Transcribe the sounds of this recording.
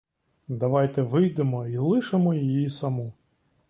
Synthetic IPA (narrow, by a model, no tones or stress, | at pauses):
d̪ɐʋɑjt̪ɛʋɪjd̪emɔilˠɪʃemɔjijjisɐmɔ